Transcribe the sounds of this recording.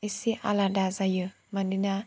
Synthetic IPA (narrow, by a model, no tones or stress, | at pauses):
isiʔa̰ladazajə | mandina